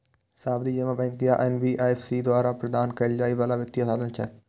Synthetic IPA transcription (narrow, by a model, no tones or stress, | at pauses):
saːbd̪iːd͡ʒəmãːbɛ̃ːŋkjaːʔɛːnbiːʔaːɛpʰsiːd̪ʊaːɾaːpɾəd̪aːnkəld͡ʒaːiʋaːlaːʋɪt̪ːɪjaːsaːd̪ənt͡ʃʰɛː